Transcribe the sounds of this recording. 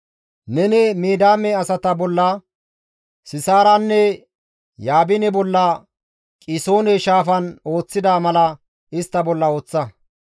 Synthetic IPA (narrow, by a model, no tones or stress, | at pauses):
nɛnɛmiːd̪aːmɛɐsɐt̪ɐbɔlːɐ | sɪsaːɾɐnːɛ | jaːbɪnɛbɔlːɐ | kʼɪso̞ːnɛʃaːfɐno̞ːt͡sːɪd̪aːmɐlɐ | ɪst̪ːɐbɔlːɐo̞ːt͡sːɐ